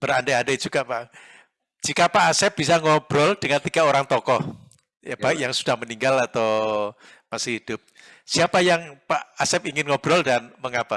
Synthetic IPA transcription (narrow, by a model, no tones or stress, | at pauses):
b̥əɾandeanded͡ʒuɡ̥aʔpaʔ | d͡ʒ̥ikapaʔːsɛp̚b̥isaŋɔb̥ɾɔld̥əŋant̪iɡ̥aoɾaŋt̪ɔkɔh | jab̥aɪkjaŋsu̥d̥ahməniŋɡalat̪aw | masɪhɦid̥ʊp̚ | siapajaŋpaʔasɛpiŋɪnŋɔb̥ɾɔldanməŋapa